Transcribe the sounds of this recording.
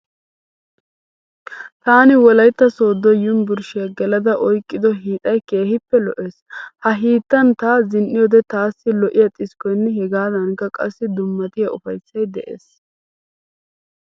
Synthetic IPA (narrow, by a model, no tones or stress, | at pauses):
t̪aːnɪwɔlɐjt̪ːɐsoːd̪ːɔjʊmbʊɾʃɪjɐɡɛlɐd̪ɐʔɔjkʼːɪd̪ɔɦiːt̪ʼɐjke̞ːhɪpːɛlɔʔeːshɐɦiːt̪ːɐnt̪aːzɪnʔːɪjɔd̪ɛt̪aːsːɪlɔʔɪjɐt̪ʼɪskɔjnːɛɦɛɡaːd̪ɐnkːɐkʼɐsːɪd̪ʊmːɐt̪ɪjɐʔʊfɐjsːɐjd̪ɛʔḛːs